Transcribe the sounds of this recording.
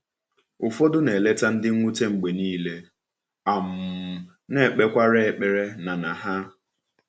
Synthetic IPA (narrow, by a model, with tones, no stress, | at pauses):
ʊ˨fo˦dʊ˦ne˨le˦ta˦n̩˦dɪ˦ŋʷu˦te˦ŋ͡m̩˨ɡ͡be˨niː˦le˦ | a˨m̩˨ | ne˦˨k͡pe˦kʷa˦ɾe˦e˨k͡pe˦˨ɾe˦na˨na˨ɦa˦